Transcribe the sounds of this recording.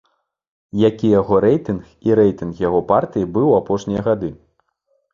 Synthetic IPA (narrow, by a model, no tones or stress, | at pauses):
jakʲijaɣɔɾɛjt̪ɨnxiɾɛjt̪ɨnxjaɣɔpart̪ɨjibɨwapɔʂnʲijɐɣad̪ɨ